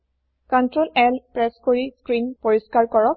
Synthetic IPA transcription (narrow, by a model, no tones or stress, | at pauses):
kɔntɹolɛlpɹɛskoɹiskɹinpoɹiskaɹkɔɹɔk̚